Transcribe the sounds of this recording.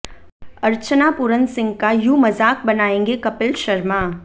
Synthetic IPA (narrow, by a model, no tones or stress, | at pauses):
ɐɾt͡ʃənapʊɾənsɪ̃ŋɡkajuːmɐzaːk̚bɐnaːẽːŋɡekɐpɪlʃɐɾmaː